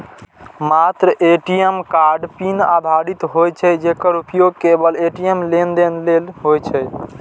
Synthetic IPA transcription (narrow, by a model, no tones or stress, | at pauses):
mat̪ɾəʔeʈijəmkaɾɖpina̰d̪ʱaɾit̪ɦojt͡ʃʰɛd͡ʒekəɾupjoɡkebəleʈijəmlend̪enlelɦojt͡ʃʰɛ